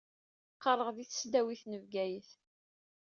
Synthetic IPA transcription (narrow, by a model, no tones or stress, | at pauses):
qːərˤəʁðiθə̥sd̪æwiθnəvɡæjəθ